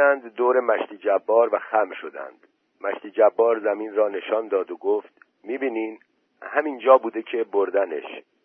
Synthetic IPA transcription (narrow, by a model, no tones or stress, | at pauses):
ænd̪ːoːɾe̞mæʃt̪iːd͡ʒæbːɒːɾvæxæmʃo̞d̪æ̰nd̪̥ | mæʃt̪iːd͡ʒæbːɒːɾzæmiːnɾɒːne̞ʃɒːnd̪ɒːd̪oɡoːft̪ | miːbiːniːm | hæmind͡ʒɒːbuːd̪e̞cʰe̞boɾd̪æne̞̰ʃ